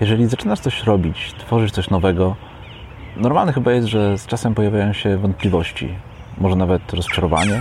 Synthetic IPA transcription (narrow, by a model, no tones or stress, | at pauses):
jɛʐɛlʲizat͡ʂɘnaʂt̪sɔɕɾɔbʲit͡ɕt̪fɔʐɘt͡ɕt̪ɔɕnɔvɛɡɔ | nɔɾmalnɛxɘbajɛst̪ʐɛst͡ʂasɛmpɔjavʲjajɔ̃w̃ɕɛvɔnt̪̚plʲivɔɕt͡ɕḭ | mɔʐɛnavɛt̪ɾɔst͡ʂaɾɔva̰ɲɛ